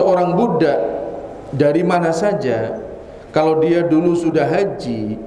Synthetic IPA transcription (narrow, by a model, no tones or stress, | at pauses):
oɾaŋbudaʔ | daɾimanasad͡ʒa | kalawdiadulusudaɦad͡ʒi